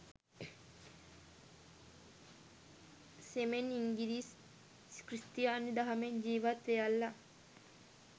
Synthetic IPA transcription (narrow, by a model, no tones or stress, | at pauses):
semeniŋɡiliːs | kɾist̪ijaːnid̪aɦɐmeɲd͡ʒiːʋat̪ʋejalːa